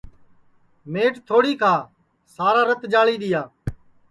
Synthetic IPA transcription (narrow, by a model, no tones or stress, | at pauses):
meːʈt̪ʰoːɽiːkʰaː | saːɾaːɾət̪d͡ʒaːɭiːɗ̪ɪjaː